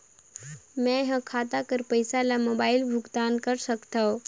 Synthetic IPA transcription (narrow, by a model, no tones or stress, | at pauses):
mɛ̃ɦə̃kʰaːt̪akəɾpəjsalamoːbaːɪlbʱʊɡd̪aːnkəɾsəkt̪ao